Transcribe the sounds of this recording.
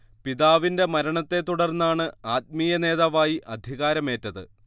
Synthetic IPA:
piðaːʋinde̞mɐɾɐɳɐt̪ːe̞t̪ːuɽɐrnːaːɳɨaːt̪̚miːjɐne̞ːðaːʋaːjiʔɐd̪ʱiɣaːɾɐme̞ːtːɐðɨ̰

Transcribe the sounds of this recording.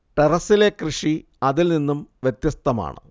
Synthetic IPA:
ʈerɐsile̞krɨʂi | ɐðilninːumʋjet̪jɐst̪ʰɐma̰ːɳɨ̰

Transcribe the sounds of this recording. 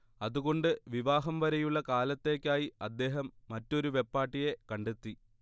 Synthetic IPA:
ɐðuɣo̞ɳɖɨʋiʋaːɦɐmʋɐɾɐjuɭːɐkaːlɐt̪ːe̞ːkʲːaːjiɐd̪ːe̞ːɦɐmːɐtːo̞ɾuʋe̞pːaːʈːije̞kɐɳɖet̪ːi

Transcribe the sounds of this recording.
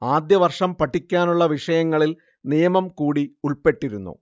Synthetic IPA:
aːd̪jɐʋɐrʂɐmpɐʈʰːikʲːaːnuɭːɐʋiʂɐjɐŋːɐɭil | nijɐmɐmkuːɽiuɭpe̞ʈːiɾunːṵ

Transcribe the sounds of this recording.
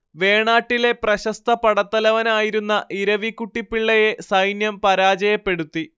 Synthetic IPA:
ʋe̞ːɳaːʈːile̞prɐɕɐst̪ʰɐpɐɽɐt̪ːɐlɐʋɐnaːjiɾunːɐʔiɾɐʋikːuʈːipːiɭːɐjesɐjnjɐmpɐɾaːd͡ʑɐjɐpːe̞ɽut̪ːi

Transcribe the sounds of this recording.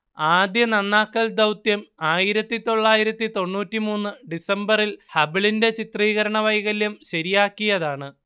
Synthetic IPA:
aːd̪jɐnɐnːaːkːɐld̪ɐwt̪jɐmaːjiɾɐt̪ːit̪o̞ɭːaːjiɾɐt̪ːit̪o̞ɳːuːtːimuːnːɨɖisɐmbɐrilhɐbiɭinde̞t͡ɕit̪riːɣɐɾɐɳɐʋɐjɣɐlːumɕɐɾijaːkːijɐðaːɳɨ

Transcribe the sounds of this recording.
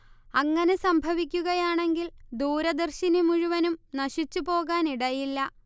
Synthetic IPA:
ɐŋːɐne̞sɐmbʱɐʋikʲːuɣɐjaːɳe̞ŋɡild̪uːɾɐd̪ɐrɕinimuɻuʋɐnumnɐɕit͡ɕːupo̞ːɣaːniɽɐjilːɐ

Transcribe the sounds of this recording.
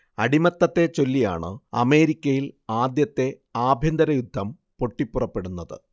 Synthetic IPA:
ɐɽimɐt̪ːɐt̪ːe̞t͡ɕo̞lːija̰ːɳɨ̰ɐ̰me̞ːɾikʲːɐjilaːd̪jɐt̪ːe̞ | aːbʱjɐnd̪ɐɾɐjud̪ʱːɐm | po̞ʈːipːurɐpːe̞ɽunːɐðɨ̰

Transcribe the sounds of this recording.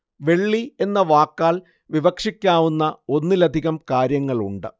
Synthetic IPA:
ʋe̞ɭːie̞nːɐʋaːkːaːl | ʋiʋɐkʂikʲːaːʋunːɐo̞nːilɐd̪ʱiɣɐmkaːɾjɐŋːɐɭuɳɖɨ

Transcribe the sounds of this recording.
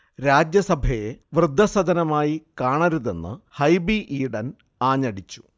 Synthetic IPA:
ɾaːd͡ʑjɐsɐbʱɐje̞ʋrɨd̪ʱːɐsɐd̪ɐnɐmaːjikaːɳɐɾuðe̞nːɨ̰hɐjbiʔiːɽɐn | aːɲːɐɽit͡ɕːu̥

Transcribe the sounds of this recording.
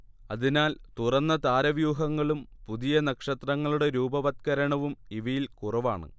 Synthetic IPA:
ɐðinaːlt̪urɐnːɐt̪aːɾɐʋjuːɦɐŋːɐɭumpuðijɐnɐkʂɐt̪rɐŋːɐɭuɽe̞ɾuːbɐʋɐt̪̚kɐɾɐɳɐʋumiʋɐjilkurɐʋaːɳɨ̰

